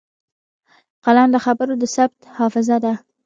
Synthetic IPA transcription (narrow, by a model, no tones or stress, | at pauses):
qalɑnləxabəɾod̪əsabt̪hɑfɪzad̪a